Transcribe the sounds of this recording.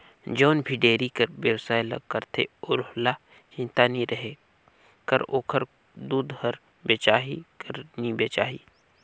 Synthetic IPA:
d͡ʒoːnbʱiɖeːɾikəɾʋjewsaːilɐ̰ɡ̚kəɾt̪ʰḛʊɾhla | t͡ʃɪ̃nt̪aniɾɐɦe | kəɾoːkʰəɾ | d̪uːd̪həɾ | beːt͡ʃaːɦikəɾnibeːt͡ʃa̰ːɦḭː

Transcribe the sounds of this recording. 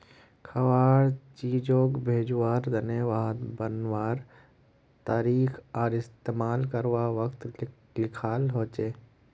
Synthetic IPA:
kʰɐʋaːɾt͡ʃiːd͡ʒoːkbʱeːd͡ʒʋaːɾd̪əneʋaːɦt̪bənʋaːɾ | t̪aːɾiːxʰɔːɾɪst̪eːmaːlkəɾʋaːʋəkt̪ | lɪkʰaːlɦoːt͡ʃeː

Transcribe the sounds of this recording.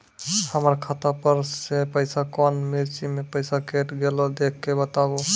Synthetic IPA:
həməɾkʰat̪apəɾsepəjsakɔnmiɾt͡ʃimepəjsakeʈɡelɔd̪ekʰkebət̪abo

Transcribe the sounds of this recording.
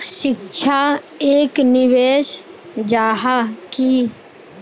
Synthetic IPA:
ʃɪkʃʰa | eːknɪʋeːʃd͡ʒaːɦaki

